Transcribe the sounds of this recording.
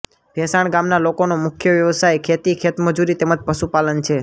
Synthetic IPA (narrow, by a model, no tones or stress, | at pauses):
bʱɛsaɳ̃ɡamnalokonomʊkʰjəʋjəʋəsajkʰet̪ikʰet̪məd͡ʒuɾit̪eməd͡ʒpəʃupalənt͡ʃʰe